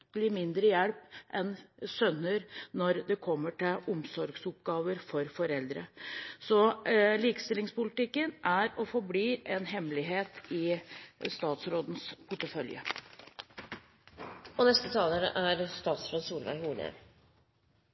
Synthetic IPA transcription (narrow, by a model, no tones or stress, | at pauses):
lɪmɪnd̪ɾəjɛlpʔɛnsœnːəɾnɔɾd̪ɛkʰɔmːəʈɪlʊmsɔɾɡsʊp̚ɡɑːʋəɾfɔɾfɔɾɛld̪ɾəsɔliːkəst̪ɪlɪŋspʊlɪt̪ɪkːənʔæɾɔfɔɾbliːʔɛnɦɛmlɪɦeːt̪ɪst̪ɑːt̪sɾoːd̪n̩spʰʊʈːəfœljə̰ | ɔnɛst̪ət̪ʰɑːləɾəʔæɾst̪ɑːt̪sɾoːd̪suːlʋæ̰ɪhuːnə̰